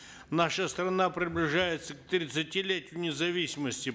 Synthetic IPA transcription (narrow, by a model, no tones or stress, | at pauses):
naʂəst̪ɾɐnapɾʲɪblʲɪʐajɪt̪sək̚t̪ɾʲɪt̪sɨtʲilʲetʲɪjʊnʲɪzɐvʲisʲɪməsʲtʲɪ